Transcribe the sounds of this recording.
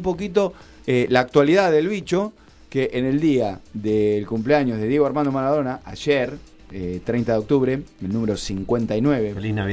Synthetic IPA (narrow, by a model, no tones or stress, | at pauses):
mp̬o̞k̬it̪̬o̞ | elaːk̚t̪waliðaðelβit͡ʃo̞ | keʔeneld̪iaðelkumpleaɲo̞zðe̞ðje̞ɣo̞aɾmãnd̪omaɾaðo̞naʔaʒeɾ | et̪ɾejnt̪aðeo̞k̚t̪uβɾeelnũmeɾosiŋkwe̞nt̪ainweβeelina